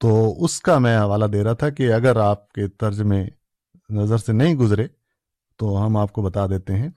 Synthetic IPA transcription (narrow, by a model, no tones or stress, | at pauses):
t̪oːʊskamɛ̃ːɦɐʋaːlad̪eːɾaɦat̪ʰakeɐɡəɾaːp̚ket̪ɐɾd͡ʒmẽ | nɐzəɾsenɐɦĩɡʊzɾeː | t̪oɦɐmaːp̚kobɐt̪ad̪eːt̪eɦɛ̃ː